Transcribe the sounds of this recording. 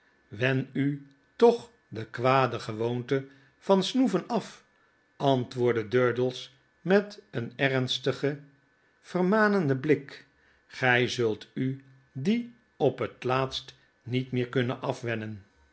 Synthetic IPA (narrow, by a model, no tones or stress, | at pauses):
ʋɛny | tɔχ | dəkʋaːdəχəʋowntə | v̥ɑnsnuvənɑf | ʔɑntʋʊːɹdədøɹdəlˠs | mɛtənɛrnstəχə | v̥ərmaːnəndəblɪk | χɛjzɵlˠty | di | ɔpɦətlaːtst | nitmɪːɹkɵnənʔɑfʋɛnən